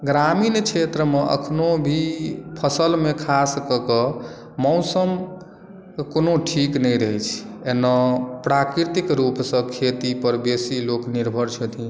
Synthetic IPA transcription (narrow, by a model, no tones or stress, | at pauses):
ɡɾamint͡ʃʰet̪ɾəmeʔə̰kʰnobʱipʰəsəlmekʰaskəkə | mɔwsəm | konoʈʰiknəjɾəjt͡ʃʰenːapɾakɾit̪ikɾupsə̃kʰet̪ipəɾbesilokniɾbʱəɾt͡ʃʰət̪ʰĩ